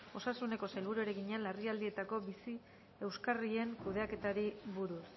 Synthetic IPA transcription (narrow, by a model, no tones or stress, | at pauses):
o̞sasune̞ko̞sajlβ̞uɾueɾe̞ɣiɲanlːariald̪ie̞t̪ako̞bisi | e̞wskarie̞ŋkuðe̞ake̞t̪aɾiβuɾus